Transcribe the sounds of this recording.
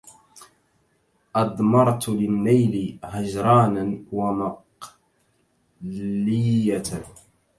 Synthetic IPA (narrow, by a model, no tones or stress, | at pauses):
ʔɑd̪ˤmɑɾˤt̪lɪnːajlɪhaʒɾˤɑːnanwamɑq | llɪa